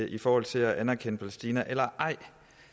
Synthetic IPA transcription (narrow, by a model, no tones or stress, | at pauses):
ʔifɒːhɒ̽l̰t͡sʰe̝læʔænɐkʰen̰əpʰælesd̥iːnɐʔelɐʔɑ̈ɪ̰